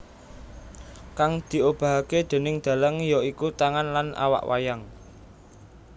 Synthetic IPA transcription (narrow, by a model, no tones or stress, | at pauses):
kaŋd̪̥i̤ob̥ä̤ɦaked̪̥e̤nɪŋd̪̥ä̤ləŋjɔikut̪aŋanlanʔa̰wa̰ʔwa̰jaŋ